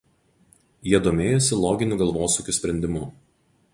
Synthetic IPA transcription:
jiɛd̪oːmʲeːjɔsʲɪlˠɔːɡʲɪnʲuˑɡɐlˠʋoːsuːkʲusʲpʲɾʲɛnʲd̪ʲɪmuː

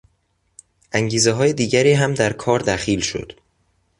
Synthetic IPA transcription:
ʔæŋɟiːzeɦɒːje̞d̪iːɟæɾiːɦæmd̪æɾkʰɒːɾd̪æxiːlʃo̞̰d̪̥

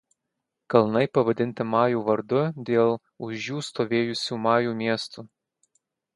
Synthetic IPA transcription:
kɐlˠnɐɪpɐʋɐd̪ʲɪnʲt̪ʲɪmɑːjuːʋɐɾd̪ʊd̪ʲeːlˠ | ʊʒjuːst̪oːʋʲeːjʊsʲuːmɑːjuːmʲiɛst̪uː

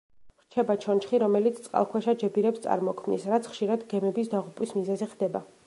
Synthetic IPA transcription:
ɾ̥t͡ʃʰɛbat͡ʃʰɔnt͡ʃχiɾɔmɛlit̪sʰt̪ʼqʼa̰lˠkʰwɛʃad͡ʒɛbiɾɛpst̪sʼa̰ɾmɔkʰmnḭsɾat̪sʰχʃiɾad̪ɡɛmɛbisd̪aʁupʼwismizɛziʁd̪ɛba

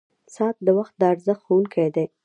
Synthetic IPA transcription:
sɑt̪̚d̪əwaxt̪̚d̪əaɾzəxxowuŋkʰajd̪aj

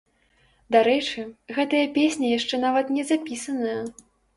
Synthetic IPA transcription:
d̪aɾɛt͡ʂɨɣɛt̪ɐjɐpʲesʲnʲɐjaʂt͡ʂɛnavɐt̪nʲɛzapʲisɐnɐjɐ

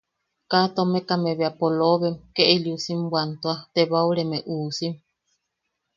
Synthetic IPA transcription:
kat̪omekameβeapoloβemkeʔeljusimbwant̪oat̪eβauɾemeʔuːsim

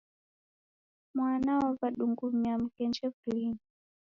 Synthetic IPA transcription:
mwanaɔvaɗuŋɡumiam̩kɛnd͡ʒɛflini

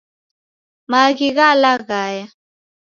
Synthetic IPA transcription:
maɡiɣalaɣaja

